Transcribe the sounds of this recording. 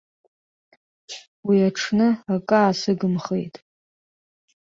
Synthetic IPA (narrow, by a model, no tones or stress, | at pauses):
wiaʈ͡ʂʰnɨakʼaːsɨɡɨmχḛjtʼ